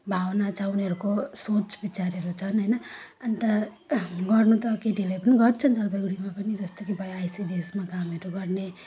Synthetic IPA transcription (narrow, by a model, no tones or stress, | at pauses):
bʱawnat͡sʰauneɦʌɾukosot͡sbit͡saɾeɾut͡sʰʌnɦʌjnʌʌnit̪ʌ | ɡʌrnut̪ʌkeʈilajpʌniɡʌrt͡sʰʌnd͡zʌlbʌɡɽimapʌnid͡zʌst̪ʌkibʌjajsidesmakameɾuɡʌrne